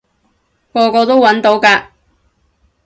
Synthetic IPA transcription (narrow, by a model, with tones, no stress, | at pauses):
kɔː˧kɔː˧t̪o˥wɐ˨˥nt̪o˨˥wkaː˧